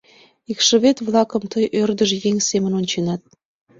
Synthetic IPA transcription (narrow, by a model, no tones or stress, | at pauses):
ikʃə̆βet̪vlˠɑkɤ̆mt̪ɤjʔørd̪ə̆ʒĕjeŋʲsemə̆nonʲt͡ɕenɑt̪̚